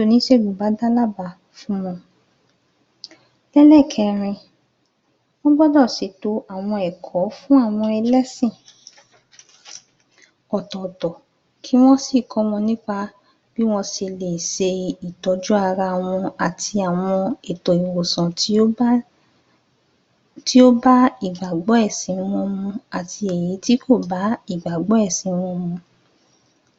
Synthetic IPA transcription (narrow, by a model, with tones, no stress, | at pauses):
o˧nĩ˦ʃe˦˨ɡ͡bu˨ba˨˦da˦la˦ba˧˨ | fũ˦m̃ɔ̃˧ | lɛ˦lɛ˦˨kʰɛ˧˨ɾ̃ĩ˧ | wɔ̃˦bɔ˦dɔ˦˨si˨˦to˨˦a˨w̃ɔ̃˧ɛ˨kʰɔ˨˦fũ˦a˦˨w̃ɔ̃˧ɛ˧lɛ˦sĩ˦˨ | ɔ˨tɔ̃˨tɔ˨ | kʰi˨˦w̃ɔ̃˦si˦˨kʰɔ˧˦wɔ̃˧nĩ˦k͡pa˧ | b̥i˦w̃ɔ̃˦si˧le˨i˨ʃe˧i˨tɔ˨˦d͡ʒu˦a˧ɾa˧˨w̃ɔ̃˧a˨tʰi˧a˨w̃ɔ̃˧e˨tɔ˨i˨wo˨sɔ̃˨˦ | ti˦o˦ba˦i˦˨ɡ͡ba˨ɡ͡bɔ˨˦ɛ˦˨sĩ˨˦w̃ɔ̃˧mũ˧a˨ti˧e˨ji˨˦ti˦kʰo˦˨ba˨˦i˦˨ɡ͡ba˨ɡ͡bɔ˨˦ɛ˦˨sĩ˨˦˧w̃ɔ̃˧mũ˧